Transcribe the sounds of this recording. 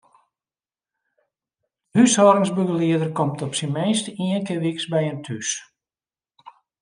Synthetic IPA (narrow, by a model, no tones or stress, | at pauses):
hyshɔːɾɪŋzbuɡəliədərkɔmtɔpsinmejstiənkɪʋiksbɛjəntʰys